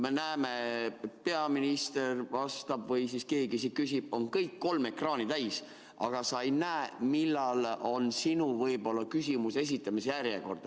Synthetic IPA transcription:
me̞næːmet̪̚peɑminist̪e̞rvɑst̪ɑbvɤjsiske̞ːɡisikysib̥̚o̞nkɤjkːo̞lme̞krɑːnit̪æjs | ɑ̰ɡ̥ɑsɑejnæːmilːɑlo̞nsinuvɤjbo̞lːɑkysʲimuse̞s̬it̪ːˑɑmisjærjeko̞̰rd̪̥ɑ

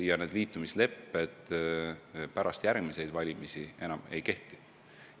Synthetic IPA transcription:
jɑne̞ːd̪liːt̪ːˑumisle̞pːed̪̥ | pæɾɑst̪jærɡ̥̚mise̞jd̪vɑlʲimisie̞nɑme̞jke̞ht̪i

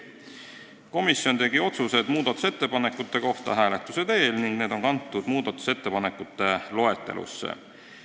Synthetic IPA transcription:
ko̞misːjo̞nt̪e̞ɡ̥io̞t̪suse̞d̪muːd̪̥ɑt̪ːˑu̥se̞t̪ːe̞pɑnekːˑut̪ːe̞ko̞ht̪ɑ̰ɦæːle̞t̪ːˑuse̞d̪e̞ːlniŋɡ̥ne̞ːd̪̥o̞ŋkɑnt̪ːˑud̪̥muːd̪ɑt̪ːˑu̥se̞t̪ːe̞pɑnekːˑut̪ːe̞lo̞e̞t̪ːe̞̰lṵsːḛ

